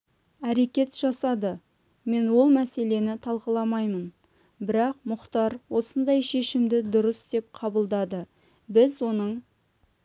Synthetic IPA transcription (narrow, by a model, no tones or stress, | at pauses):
æɾe̞kʲe̞t̪ʒ̥ɑsɑd̪ə | me̞nwo̞lˠmæse̞le̞nɪt̪ʰɑlˠqəlˠɑmɑjmən | bɪɾɑqmʊqt̪ɑɾwo̞sənd̪ɑjʃe̞ʃɪmd̪ɪd̪ʊɾəsd̪e̞p̚qʰɑbəlˠd̪ɑd̪ə | bɪzwo̞nəɴ